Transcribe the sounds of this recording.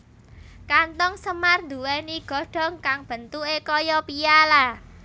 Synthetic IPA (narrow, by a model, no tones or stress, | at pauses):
kant̪ɔŋsəmarnd̪uwɛniɡ̥ɔ̤ɖ̥ɔ̤ŋkaŋb̥ə̤nt̪uʔekɔjɔpijala